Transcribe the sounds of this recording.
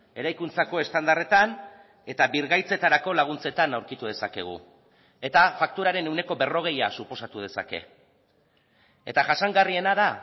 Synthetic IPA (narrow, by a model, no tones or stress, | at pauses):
e̞ɾajkunt͡sako̞e̞st̪and̪are̞t̪an | e̞t̪aβiɾɣajt͡se̞t̪aɾako̞laɣ̞unt͡se̞t̪anawɾkit̪uð̞e̞sake̞ɣ̞ṵ | e̞t̪afak̚t̪uɾaɾe̞ne̞wne̞ko̞βe̞ro̞ɣ̞e̞jasupo̞sat̪uð̞e̞sa̰ke̞̰ | e̞̰t̪aʝasaŋɡarie̞naða